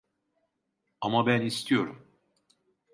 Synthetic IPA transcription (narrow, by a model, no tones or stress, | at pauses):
amabænist̪ʰijo̞ɾum